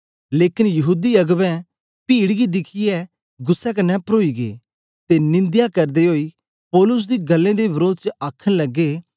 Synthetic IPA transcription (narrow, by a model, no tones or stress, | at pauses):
leːkɪnjɐɦuːd̪iɐɡʋɛ̃ | piːɽɡid̪ɪkʰiɛː | ɡʊsːɛk̬ɐnɛpəɾoːiɡḛː | t̪enɪ̃nd̪jakɐɾd̪eɦoːiː | pɔːlʊs̬d̪iːɡɐlːẽd̪ebɪɾoːd̪̚t͡ʃəaːkʰənlɐɡːeː